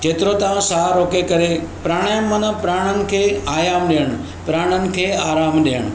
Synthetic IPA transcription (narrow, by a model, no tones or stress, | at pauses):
keːt̪ɪɾot̪ãsaːɾoːkekɐɾepɾaːɽ̃aːjəmːɐnə̆pɾaːɽ̃ənɪ̆kʰeːaːjaːmɗiəɽ̃ | pɾaːɽ̃ənɪ̆kʰeːaːɾaːmɗiəɽ̃